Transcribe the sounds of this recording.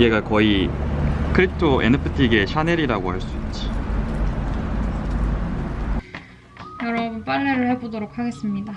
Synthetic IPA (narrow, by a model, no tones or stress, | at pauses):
eɡakʌi | kʰɯɾitʰoʔḛnɯpʰɯtʰiɡeɕʰane̞ɾiɾaɡohaɭs͈uit̚t͡ɕ͈i̥ | jʌɾʌbɯnp͈aɭːeɾɯɭhebodoɾok̚hʰaɡe̞s͈ɯmɲida